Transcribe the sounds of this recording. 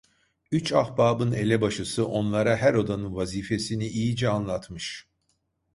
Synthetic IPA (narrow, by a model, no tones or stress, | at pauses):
yt͡ʃahbaːbɯne̞lʲɛbaʃɯsɯʔo̞nlˠaɾaɦæɾo̞d̪anɯnvaziːfe̞siniʔijid͡ʒɛanlˠat̪ʰmɯʃ